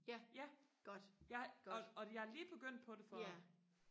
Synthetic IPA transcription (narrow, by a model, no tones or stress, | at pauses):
æjæɡ̥ɔd̥jɑɡɒ̽jɑhɑliːb̥e̝ɡ̥øn̰d̥̚pʰɒ̽de̝fɒ